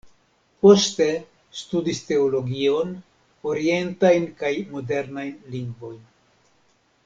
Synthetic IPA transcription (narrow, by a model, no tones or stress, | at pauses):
post̪e̞ | st̪ud̪ist̪e̞olo̞ɡio̞n | oɾie̞ntajnkajmo̞de̞ɾnajnliŋɡvo̞jn